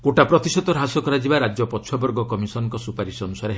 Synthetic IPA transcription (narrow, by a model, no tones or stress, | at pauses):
koʈapɾɔt̪isɔt̪ɔɾɦasɔkɔɾad͡ʒibaɾad͡ʒjɔpɔtːʃʰɔbɔɾɡɔkɔmisɔnɔŋkɔsupaɾisɔnusaɾeɦ